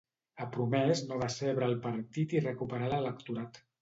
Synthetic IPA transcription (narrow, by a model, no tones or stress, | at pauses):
əpɾumɛznoβaseβɾəːlˠpəɾt̪it̪irəkupəɾalələkt̪uɾat̪